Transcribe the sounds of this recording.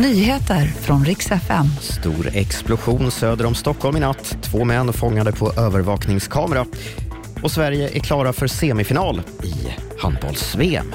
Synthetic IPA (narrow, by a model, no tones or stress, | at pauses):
nyːheːt̪əɾfɾɔnɾɪksɛfɛ̰mst̪uːɾɛksplʊɧuːnsøːd̪əɾɔmst̪ɔkʰːɔlmɪnat̪ːt̪ʰːv̥oːmɛnːfɔŋːad̪əpʰɔʔøːvəɾvɑːknɪŋskʰɑːmɛɾa | ʔɔsvæɾjəʔæɾkʰlɑːɾafœɾseːmɪfɪnɑːlɪ̰ha̰nd̪̚bɑ̰lsveːɛ̰m